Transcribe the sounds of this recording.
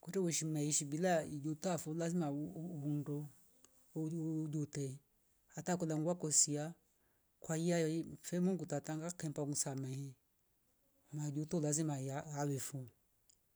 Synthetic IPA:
kɔtɛwɛʃim̩unaiʃibilaid͡ʒutafulazimaundɔ | d͡ʒutɛ | atakɔlaŋɡwakɔsia | kwaiafɛmɔŋɡutataŋɡakɛmbamusamɛhɛ | mad͡ʒutɔlazimaaawɛfu

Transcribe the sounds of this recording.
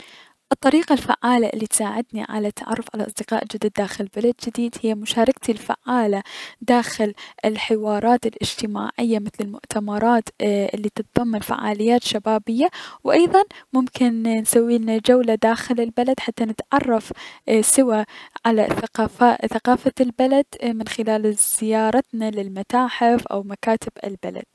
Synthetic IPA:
ʔɨt̪ˤːɑɾiːqalfa̰ʕːaːlaʔɪlːit̪saːʕɪd̪niʕa̰lat̪ːaʕɑ̰rˤːʊfʕala̰ʔɑsˤd̪ɪqɑːʔd͡ʒɪd̪ad̪ːaːxɪllbalad̪̚d͡ʒɪd̪iːd̪hɪjːamʊʃaːɾˤɑk̚t̪ilfa̰ʕːaːlad̪aːxɪlʔɪlħɪwɑːɾˤɑːt̪ɪlʔɪd͡ʒt̪ɪma̰ːʕɪjːamɪθlɪlmʊʔt̪ʰamɑɾˤɑːt̪ʔɪlːit̪ɨt̪ðˤɑmːanfa̰ʕa̰ːlɪjːaːt̪ʃabaːbɪjːawʔɑjðˤɑnmʊmkɪnnsawːiːnad͡ʒawlad̪aːxɪlɪlbalad̪ħat̪ːanɪt̪ʕɑrˤːɑfsɪwaʕala̰θaqafaθaqɑːfalbalad̪̥mɪnxɪlaːlz̥ɪjɑːɾˤɑt̪nalɪlmat̪aːħɪfʔa̰wmakaːt̪ɪbɪ̰lbala̰d̪̥̚

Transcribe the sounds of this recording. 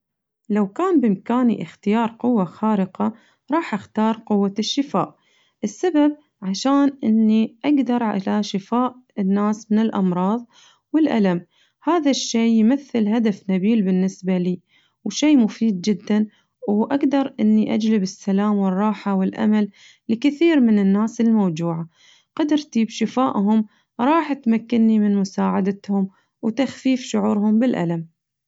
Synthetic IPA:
lawkaːnbɪmkaːnḭʔɪxt̪ɪjɑːɾˤqʊwːaxɑːɾɪqa | ɾˤɑːħʔaxt̪ɑːɾˤqʊwːaʃːɪfaːʔ | ʔɪsːabab̚ | ʕaʃaːnʔɪnːiʔaɡd̪ɑɾˤʕa̰laʃɪfaːʔɪnːaːsmɪnɪlʔɑmɾˤɑːðˤ | wɪlʔa̰lam | haːðaʃːeːjmaθːɪlɦad̪afnabiːlbɪnːɪsbaliː | wʃeːmʊfiːd̪̚d͡ʒɪd̪ːan | wʔaɡd̪ɑɾˤʔɪnːiʔad͡ʒlɪbɪsːalaːmwɪrˤːɑːħawɪlʔa̰malː | ɪkɪθiːɾmɪnɪnːaːsɪlmawd͡ʒuːʕa | qɑd̪ɾˤt̪iːbʃɪfaːʔɦʊm | ɾˤɑːħʔat̪makːɪnːimɪnmʊsaːʕad̪at̪hʊm | wt̪axfiːfʃʊʕuːɾɦʊmbɪlʔa̰lam

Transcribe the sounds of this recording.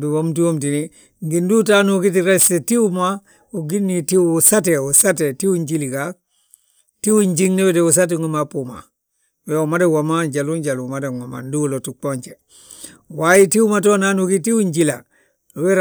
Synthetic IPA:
buwomtiwomtini | ŋɡindutanukitiɾesetiwuma | uɡinːitisateusatetiwuɲɟilika | tiwuɲd͡ʒiŋneweteus̬at̬eŋomapuma̰ | weumadewamaɲɟaluɲɟalumadeŋama̰ndulotuk͡poɲt͡ʃe | wajitiwumat̬onanukitiwuɲɟila | weɾ

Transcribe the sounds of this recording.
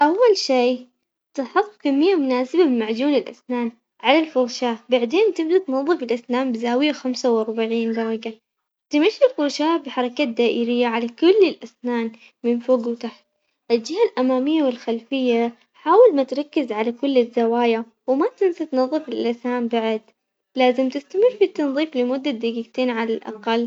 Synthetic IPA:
ʔawːalʃiː | t̪aħʊt̪ˤːkamːɪjːamʊnaːsɪbabɪmaʕd͡ʒuːnɪlʔa̰snaːn | ʕalalfʊɾʃaːbaʕd̪eːnt̪ɪbd̪at̪nɑðˤːɨfɪlʔasnaːmbɪzaːwɪjaxamsawʔɑɾˤbaʕiːnd̪ɑɾiɡa | t̪ɪmaʃːilfʊɾʃaːbɪħɑɾˤɑkad̪aːʔɪɾɪjːaʕalakʊlːɪlʔasnaːn | mɪnfoːɡwt̪aħt̪̚ | ʔɪld͡ʒɪhalʔamaːmɪjːawɪlxalfɪjːa | ħaːwɪlmat̪ɾˤɑkːɪzʕalakʊlːɪzːawaːja | wmat̪ɪnsat̪nɑðˤːɨfɪlʔasnaːmbaʕɪd̪ | laːzɪmt̪ɪst̪amɪrːfit̪ːɑnðˤiːflɪmʊd̪ːad̪ɪɡiɡt̪eːnʕalalʔɑ̰qɑlː

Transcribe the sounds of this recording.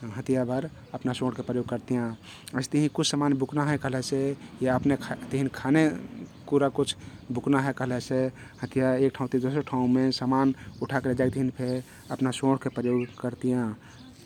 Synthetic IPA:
ɦə̃t̪ijabʱəɾ | əpnasõːɽkepɾəjoɡ̚kəɾt̪ijã | əɪst̪əɦĩkut͡ʃʰsəmanbʱuknaɦɛ̃kəɦlɛsejaəpnet̪əɦinkʰanepuɾakut͡ʃʰbuknaɦɛ̃kəɦlɛse | hə̃t̪ijaek̚ʈʰãũt̪id̪osəʈʰaũmesamanuʈʰakeled͡ʒak̚t̪əɦinpʰe | əpnasõɽkepɾəjoɡkəɾt̪ijã

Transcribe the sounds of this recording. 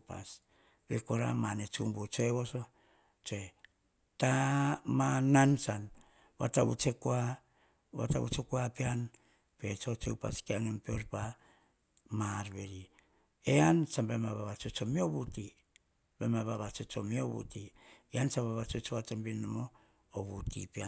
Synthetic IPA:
pa̰s | bekoɾa̰manet͡ʃumbut͡ʃoeβoso | t͡ʃoe | tamanansan | βa̰taβṵt͡ʃekua | βa̰taβṵt͡ʃekuapean | pe̞t͡ʃo̞t͡ʃeupa̰skiaŋempeoɾpa | maɾbeɾi | eansambemaβaβat͡ʃot͡ʃo̞miobuti | bemaβaβat͡ʃot͡ʃomioβṵtiiansambaβat͡ʃot͡ʃoβat͡ʃambinomo | oβutḭpia

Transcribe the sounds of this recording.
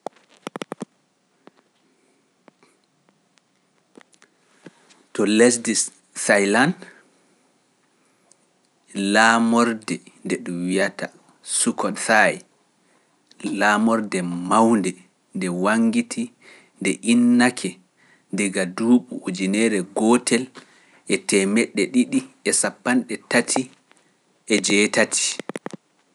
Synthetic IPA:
tɔlɛsdis | sajlan | laːmɔɾdɛndɛɗuwijata | sukɔnsaj | lamɔɾdɛmawndɛ | ndɛwaŋɡitʰi | ndɛʔinːakʰɛ | ndɛɡaduːɓuod͡ʒinɛɾɛɡɔtɛl | ʔɛtɛmɛɗːɛɗiɗiɛsapːanɗɛtatʰi | ʔɛd͡ʒɛːtatʰi̥

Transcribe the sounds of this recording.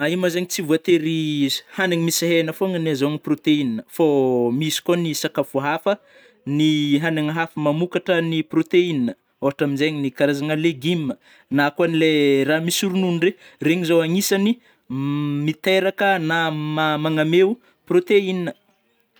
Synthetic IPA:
aimazeɲit͡sivuat̪eɾiz̥hanaɲimisaɦenəfoŋənazoniprot̪eininəfomisi̥konisakafuɦafə | niɦanaŋəɦafəmamukaʈ͡ʂəniprot̪einnə | oɦaʈ͡ʂaminzeɲinikaɾazaŋəleɡimːə | nakuanileramisuɾununɳɖ͡ʐereŋizowaŋisani | mit̪eɾakənamamaŋamew | prot̪einnə

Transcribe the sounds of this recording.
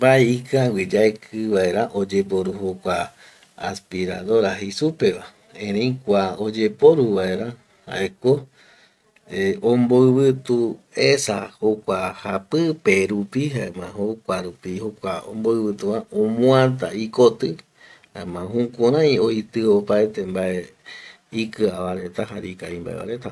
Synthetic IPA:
baeikawʷid͡ʒaekʰɨβae̞ɾaʔod͡ʒe̞poɾuhokʷa | a̰spiɾa̰ðo̞ɾaɦisupe̞βa | ẽɾ̃ẽjkʷaod͡ʒe̞poɾuβaeɾa | ha̰ʔeko | eõmboɨβɨt̪uesahokʷahapɨpe̞ɾupihaemãɦokʷaɾupihokʷaõ̰mboɨβɨt̪uβaõmũãt̪aikot̪ɨ | haemãɦũkõɾ̃ãj̃o̞jt̪ɨopaet̪e̞mbaʔe | ikɨaβaɾe̞t̪aɦaɾikaimba̰eβa̰ɾe̞t̪a

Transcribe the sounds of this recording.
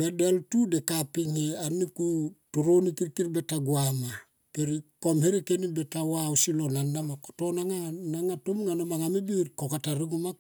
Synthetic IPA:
bedeltudekapiŋeanikutuɾonikiɾkiɾbetaɡuama | peɾikomheɾikenibetawausilonandamakotonaŋanaŋatomŋanomaŋamibiɾkokataɾiɡuma

